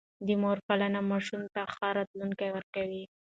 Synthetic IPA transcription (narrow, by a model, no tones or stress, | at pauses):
d̪əmoɾpalanamɑʃumt̪axaɾɑt̪luŋkajwəɾkawi